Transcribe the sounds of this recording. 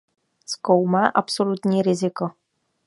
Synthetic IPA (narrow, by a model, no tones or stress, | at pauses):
skowmaːʔapsolut̪ɲiːɾɪzɪko